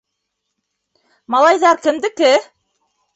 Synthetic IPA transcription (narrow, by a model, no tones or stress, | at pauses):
mɑlˠɑjðɑɾkɘ̆md̪ɘ̆kɘ